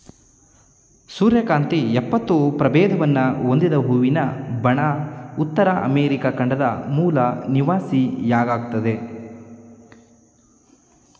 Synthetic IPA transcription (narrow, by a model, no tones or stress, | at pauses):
suːɾjɐkaːnt̪iɛpːɐt̪ːupɾɐbɛːd̪ɐʋɐnːɐɦond̪id̪ɐɦuːʋinɐbɐɳaːut̪ːɐɾɐʔɐ̰meːɾikakɐɳɖɐd̪ɐmuːlɐniʋaːsijaːɡaːɡut̪ɐd̪e̞